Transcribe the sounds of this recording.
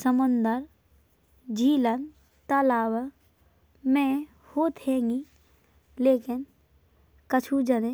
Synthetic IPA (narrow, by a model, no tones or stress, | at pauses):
səmʊnd̪əɾ | d͡ʒiːlən | t̪əlaːw | mẽ | hoːt̪ɦẽːŋɡi | leːkɪn | kət͡ʃʰud͡ʒəne